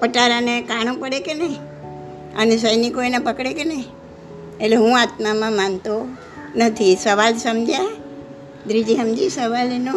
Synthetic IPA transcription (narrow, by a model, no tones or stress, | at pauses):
pəʈaɾanekaɳ̃õpəɽekenəɦĩ | ə̰nes̬əjnikoinãpəkɽekenəɦĩ | etleɦũat̪̚mamãmant̪o | nət̪ʰisəʋalsəmd͡ʒʱja | d̪ɾid͡ʒiɦəmd͡ʒisəʋalenõ